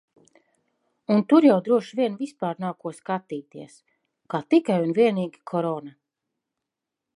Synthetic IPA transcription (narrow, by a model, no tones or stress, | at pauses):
unt̪uɾjawd̪ɾuɔʃviɛnvispaːɾnaːkuɔskat̪iːt̪iɛs | kaːt̪ikajunviɛniːɡʲikʰɔɾɔna